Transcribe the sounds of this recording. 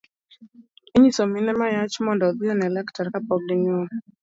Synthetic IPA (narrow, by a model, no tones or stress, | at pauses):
iɲisɔminɛmajat͡ʃmɔndɔðiɔnɛlɛktaɾkapɔɡlinuɔ